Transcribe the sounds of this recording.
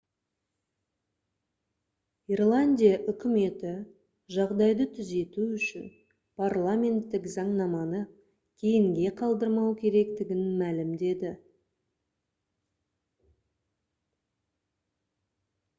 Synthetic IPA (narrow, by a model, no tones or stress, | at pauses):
irlˠanʲd̪ʲijaʔʏkʲɪme̞t̪ɪ | ʒɑʁd̪ɑjd̪ət̪ʰʏze̞t̪uʏʃɪ̰n | pʰarlˠamʲe̞nt̪ːɪkzɑɴnɑmɑnə | kʲʰe̞jɪŋɡʲe̞qʰɑlˠd̪əɾmɑwkʲʰe̞ɾe̞kt̪ɪɡʲɪnmælɪmd̪e̞d̪ɪ